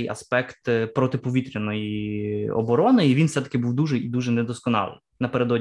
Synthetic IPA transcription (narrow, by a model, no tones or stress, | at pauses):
jɐ̰spɛkt̪pɾɔt̪ɪpɔʋʲit̪ɾʲɐnɔjiɔ̰bɔɾɔnɔjiʋʲinfsɛt̪ɐ̥kɪbuwd̪uʒɛjid̪uʒɛnɛd̪ɔskɔnɑ̰lˠɪ̰nnɐpeɾed̪ɔdʲ